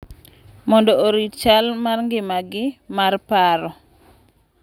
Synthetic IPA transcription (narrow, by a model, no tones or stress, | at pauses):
mɔndɔoɾit͡ʃalmarŋɡɪmaɡɪmarpaɾɔ